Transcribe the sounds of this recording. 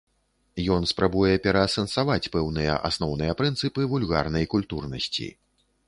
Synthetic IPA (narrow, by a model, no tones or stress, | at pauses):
jɔnspɾʔabujɛpʲɛɾɐːsɐnsavat͡sʲpɛwnɨjɛ̰ʔa̰snɔwnɨjɐpɾɨnt̪sɨpɨvulʲɣarnɐjkulʲt̪urnɐsʲt͡sʲḭ